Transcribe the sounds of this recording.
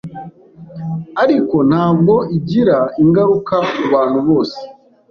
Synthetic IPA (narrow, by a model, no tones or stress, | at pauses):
aɾiko̞n̥haːb̚ɡo̞iɟiɾaiŋɡaɾukauβaːn̥huβo̞ːse̥